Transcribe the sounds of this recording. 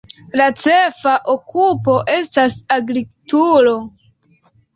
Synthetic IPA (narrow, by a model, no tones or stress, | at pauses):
lat͡sefaʔokʰupo̞ʔe̞stasaɡɾitulo̞